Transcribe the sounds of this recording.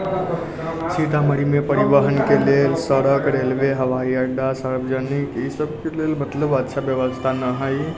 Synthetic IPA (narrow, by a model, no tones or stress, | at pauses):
sʰiʈ̪aməɾimepəɾibəɦənkelelsəɾəkɾelʋeɦəʋaiəɖasaɾbəd͡ʒənikisəbkelelmət̪ləbətːʃʰabjəʋəst̪ʰanəɦəj